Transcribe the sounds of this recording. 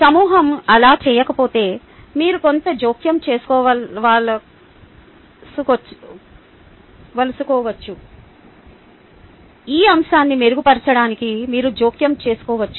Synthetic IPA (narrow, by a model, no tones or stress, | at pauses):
sɐmuːɦɐmɐlaːt͡ʃɛːjɐkɐpo̞ːt̪e̞ː | miːɾuko̞nt̪ɐd͡ʒoːkjɐmt͡ʃe̞ːsu̥kɔːʋɐʋaːɭɐ | suk | ʋɐlusukɔːʋɐt͡ʃːu | iːɐmʃaːnːime̞ɾuɡupɐɾt͡ʃɐɽaːnikimiːɾud͡ʒoːkjɐmt͡ʃe̞ːsu̥kɔːʋɐt͡ʃːu